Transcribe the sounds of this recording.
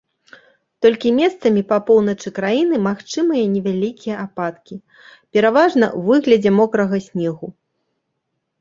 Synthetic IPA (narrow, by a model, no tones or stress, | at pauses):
t̪ɔlʲkʲimʲɛst̪sɐmʲipɐpɔwnɐt͡ʂɨkɾajin̪ɨmaxt͡ʂɨmɨjɐnʲɛvʲalʲikʲijɛʔapat̪kʲi | pʲɛɾavaʐnɐ̰wvɨɣlʲɐd͡zʲɛmɔkɾɐɣɐsʲnʲɛɣu